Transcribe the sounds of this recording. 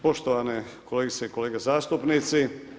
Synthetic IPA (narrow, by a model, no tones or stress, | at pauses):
po̞ʃt̪oʋane | koleɡit̪seikoleːɡezaːst̪upnit̪si